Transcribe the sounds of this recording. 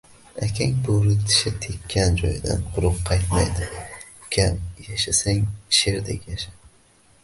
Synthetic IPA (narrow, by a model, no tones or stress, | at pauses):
akʲʰaŋʲboɾɪt̪ʰɪ̥ʃat̪ʰekʲʰːand͡ʒɒ̰jd̪a̰nqʰʊɾʊqʰːɑjt̪majd̪ɪkʲʰamjaʃasaŋʃeɾd̪ḛkʲjaʃa